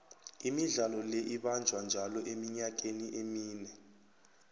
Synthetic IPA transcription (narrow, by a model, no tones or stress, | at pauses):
imiɮalɔlɛʔiɓand͡ʒʱwand͡ʒʱalɔʔemiɲak̬eniʔemiːnɛ